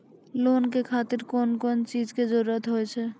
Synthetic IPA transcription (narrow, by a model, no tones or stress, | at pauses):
lonkekʰat̪iɾkonkɔnt͡ʃid͡ʒked͡ʒoɾət̪ɦojt͡ʃʰɛ